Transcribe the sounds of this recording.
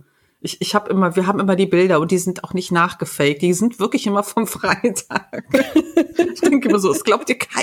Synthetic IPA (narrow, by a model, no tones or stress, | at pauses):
ʔɪçɪçhaːbəʔɪmɐviːɐɦaːbm̩ʔɪmɐdiːbɪldɐʊnt̚d̥iːzɪntaʊxnɪçtnaːχɡ̥əfɛlɪç̚t̚d̥iːzɪntv̥ɪɐklɪçʔɪmɐfɔmfʁ̥aɪtʰaːk | ɪçd̥ɛŋkəmɐzoːɛsɡ̥laʊp̚tiːɐkʰaɪ